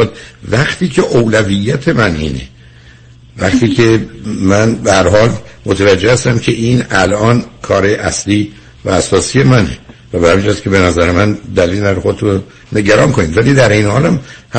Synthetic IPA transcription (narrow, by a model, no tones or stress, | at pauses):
d̪væχt̪iːcʰe̞ʔowlævijːæt̪ʰe̞mænḭːnḛ | væχt̪iːcʰe̞mænbehæɾɦɒːlmot̪ʰævæd͡ʒːehæst̪æmcʰe̞ʔiːnælʔɒːnkʰɒːɾejeʔæsliː | væːsɒːsiːje̞mænḛvæbehæmind͡ʒhæskʰʲebe̞næzæɾemænd̪æliːlenæɾoxo̞d̪et̪ʰun | ne̞ɟæɾɒːnkʰo̞niːd̪vælid̪æɾʔejnehɒːlæmhæ